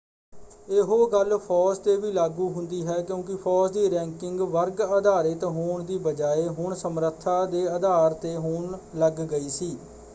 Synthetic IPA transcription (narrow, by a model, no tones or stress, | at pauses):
eɦoːɡəlpʰɔːst̪eːʋiːlaːɡuːɦʊnd̪iːɦɛːkjõːkɪpʰɔːsd̪iːɾɛ̃ːŋkɪŋɡʋəɾɡəd̪aːɾət̪ɦoːɳd̪iːbəd͡ʒaːeːɦʊɳsəmɾət̪ʰːaːd̪eːəd̪aːɾt̪eːɦʊɳləɡːəiːsiː